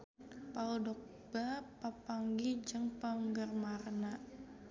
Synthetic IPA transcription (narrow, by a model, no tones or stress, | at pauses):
paldɔk̚ | b̥apapaŋɡid͡ʒəŋpəŋɡərmarna